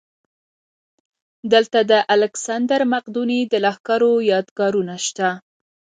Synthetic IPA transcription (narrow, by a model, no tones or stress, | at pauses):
d̪əlt̪ad̪əʔalɪksand̪aɾmaqd̪unid̪əlɑxkaɾojɑd̪ɡɑɾunaʃt̪a